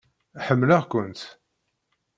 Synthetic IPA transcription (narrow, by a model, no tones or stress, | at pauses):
ħəmːlaʁkʷənt̪